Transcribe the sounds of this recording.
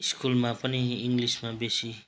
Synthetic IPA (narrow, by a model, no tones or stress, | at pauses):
iskulmapʌniiŋɡlismabesi